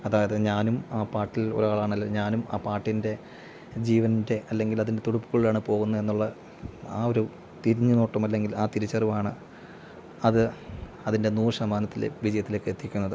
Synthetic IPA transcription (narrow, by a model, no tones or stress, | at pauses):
ɐðaːjɐðeɲaːnumaːpaːrʈːilo̞̰ɾaːɭaːɳɐlːeɲaːnuma̰ːpaːʈːinde̞ | d͡ʑiːʋɐnnde̞ɐlːe̞ŋɡilɐðinde̞t̪uɽupːu̥ɣuɭilaːɳɨpo̞ːɣunːɐe̞nːuɭːɐ | aːo̞ɾu | t̪iɾiɲːɨno̞ːʈːɐmɐlːe̞ŋɡilaːt̪iɾit͡ɕːɐruʋaːɳɨ | ɐðɨ | ɐðinde̞nuːrsɐmaːnɐt̪ːilḛʋid͡ʑɐjɐt̪ːilekːeet̪ːikʲːunːɐðɨ